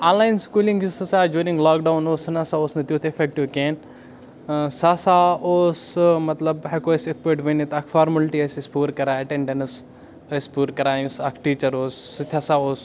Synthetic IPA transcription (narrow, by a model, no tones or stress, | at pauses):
ãːnlaːjnskuːlĩŋɡjusɨsaːd͡ʒjuːɾĩŋɡlaːk̚ɖawnoːsɨnasaːoːsnɐt̪juːt̪ʰefek̚ʈiʋkeːn | sasaoːsmɐt̪lɐbɦɐkoːjsekpeːʈʋenit̪akʰfaːɾmɐlʈiɐsispuːɾkɐɾaɐʈẽɳɖens | ɐspuːɾkɐɾaːjũsakʰʈiːt͡ʃɐɾoːsːɨt̪ʰʲasaːoːs